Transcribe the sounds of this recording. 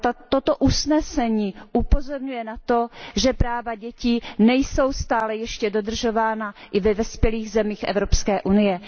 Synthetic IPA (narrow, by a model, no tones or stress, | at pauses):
t̪ot̪oʔusnɛsɛɲiːʔupo̞zo̞ɾɲujɛnat̪o̞ʒɛpɾaːvaɟɛciːnɛjso̞wst̪aːlɛjɛʃcɛdo̞d̪r̩ʒo̞vaːnaʔɪvɛvɛspjɛliːɣzɛmiːxʔɛ̰vɾo̞pskɛːʔunɪjɛ